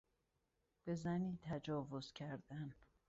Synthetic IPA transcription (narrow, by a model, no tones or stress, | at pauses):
b̥e̞zæniːt̪ʰæd͡ʒɒːvoz̥cʲʰæɾd̪̥æn